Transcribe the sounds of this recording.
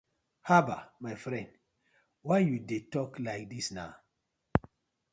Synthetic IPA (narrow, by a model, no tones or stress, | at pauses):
haba̰majfɾɛ̃nd | wajjudetɔklaɪk̚disna̰ʊ